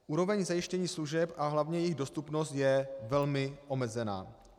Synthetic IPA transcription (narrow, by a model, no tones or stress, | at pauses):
ʔuːɾo̞vɛɲzajɪʃcɛɲiːsluʒɛpʔaɦlavɲɛjɪɣdo̞st̪upno̞st̪jɛvɛlmɪʔo̞mɛzɛna̰ː